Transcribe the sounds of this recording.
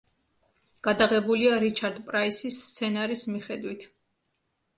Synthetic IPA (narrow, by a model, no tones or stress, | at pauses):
ɡ̥ad̪aʁɛbuliaɾit͡ʃʰaɾd̪pʼɾaisist̪sʰɛnaɾismiχɛd̪wit̪ʰ